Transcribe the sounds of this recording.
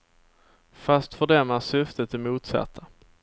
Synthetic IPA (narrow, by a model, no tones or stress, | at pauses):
fast̪fœɖɛmːasʏft̪ət̪ɪmuːt̪sa̰t̪ʰːa